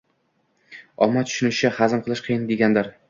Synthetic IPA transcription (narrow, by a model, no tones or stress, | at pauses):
ɒmːat̪ʰʊ̥ʃʊnɪɪhazɪmqʰɨlˠɪʃqʰɨjɪnd̪eɡʲand̪ɪɾ